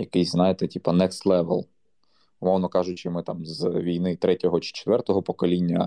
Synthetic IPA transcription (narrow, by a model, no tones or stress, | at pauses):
jɐkɪjznɑjet̪ɛtʲipɐnɛkslˠɛʋɛ̰lˠ | ʊmɔwnɔkɑʒʊt͡ʃɪmɪt̪ɑmzʋʲijnɪt̪ɾɛtʲɔɦɔt͡ʃɪ̥t͡ʃe̥t̪ʋɛrt̪ɔɦɔpɔkɔlʲinʲːɐ